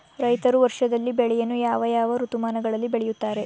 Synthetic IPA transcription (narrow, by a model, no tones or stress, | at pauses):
ɾɐjt̪ɐɾuʋɐɾʂɐd̪ɐlːibɛɭɛjɐnːujaːʋɐjaːʋɐɾut̪umaːnɐɡɐɭɐlːibeɭɛjut̪ːaːɾe̞